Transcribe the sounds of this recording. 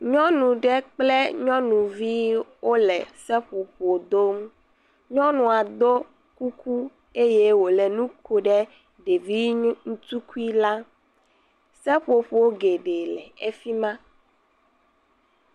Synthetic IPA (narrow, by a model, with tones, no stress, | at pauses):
ɲɔ̃˦nũ˨ɖɛ˦k͡plɛ˦ɲɔ̃˦nũ˨vi˦wo˦lɛ̰˨sɛ˦ɸo˨ɸu˨o˨d̪o˦m | ɲɔ̃˦nũ˨a˨d̪o˦ | ku˦ku˦ | e˦je˦wo˨lɛ˨nũ˦ko˨ɖɛ˦ | ɖe˨vi˦ŋũ˦t̪u˦ku˦i˦la˦ | sɛ˦ɸo˨ɸu˨wo˦ɡe˨ɖe˨lɛ̰˨e˦fi˦mã˦